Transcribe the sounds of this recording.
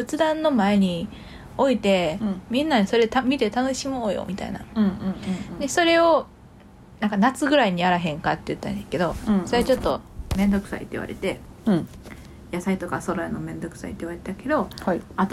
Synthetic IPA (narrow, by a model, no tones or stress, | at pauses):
bɯ̟t͡sɨd̪ãnːo̞mae̞ɲ̟i | o̞it̪e̞mʲĩnːaɲiso̞ɾe̞t̪amʲit̪e̞t̪ano̞ɕimo̞ːjo̰mʲit̪a̰ḭnã̰ | d̪e̞so̞ɾe̞o̞ | nãŋkanat͡sɨɡɯ̟ɾaiɲ̟iaɾaɦẽ̞ŋkat̪ːejɯ̟t̪ːaneke̞d̪o̞soɾeat͡ɕo̞t̪ːo̞mẽ̞nd̪o̞kɯ̟̥sa̰ḭt̪eḭβa̰ɾḛt̪e̞ | jasait̪o̞kaso̞ɾoenomẽ̞nd̪o̞kɯ̟̥sa̰it̪eiɯβaɾet̪ake̞d̪o̞at̪